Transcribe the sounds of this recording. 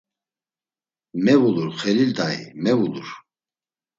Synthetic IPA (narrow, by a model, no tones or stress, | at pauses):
mɛvuluɾχɛlild̪aḭmɛvuluɾ